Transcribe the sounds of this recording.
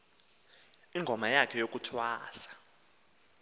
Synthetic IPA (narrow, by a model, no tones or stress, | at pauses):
iŋɡʱɔmajakʰɛjok̬ʼutʰwaːsḁ